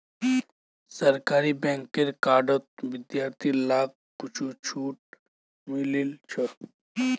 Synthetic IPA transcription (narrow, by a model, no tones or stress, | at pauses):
sɐɾkaːɾibɛ̃ŋkeɾkaːɖət̪̚ʋɪd̪jaːɾt̪ʰilaːk̚ | kut͡ʃʰut͡ʃʰuːʈ̚ | mililt͡ʃʰət̪